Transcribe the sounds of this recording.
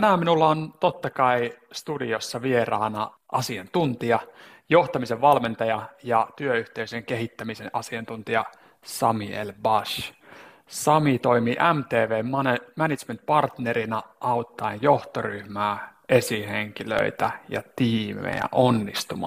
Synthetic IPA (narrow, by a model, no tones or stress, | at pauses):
t̪ænæːminulːɑont̪ot̪ːɑkɑist̪udiosːɑʋierɑːnɑ | ʔɑ̰siɑnt̪unt̪iɑ | joht̪ɑmiseʋʋɑlment̪ɑjɑjɑt̪yøyht̪eyseŋkeɦit̪ːæmisenʔɑsiɑnt̪unt̪iɑ | sɑmḭḛlbɑʃ | sɑmit̪oimiːʔæmt̪eːʋeːmɑnemænit̪t͡ʃment̪̚pɑrt̪neɾinɑʔɑut̪ːɑenjoht̪oryhmæːʔesiheŋkilø̰it̪æjɑ̰t̪iːmḛjæ̰ʔonːist̪umɑ̰ː